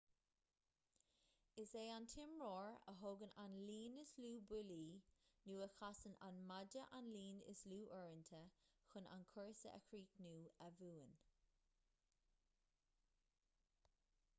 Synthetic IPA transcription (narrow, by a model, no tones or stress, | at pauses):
ɪseːant̪ʰɪmɹɔːɹə̰ɦoːɡənanliːnɪsluːbʊliːnuːəxasəna̰nmad͡ʒəʔanliːnɪ̰sluːʔɔɹənt̪ʰəxʊna̰nkʰɔɹsə̰ʔə̰kʰɹiːknuːəvuːən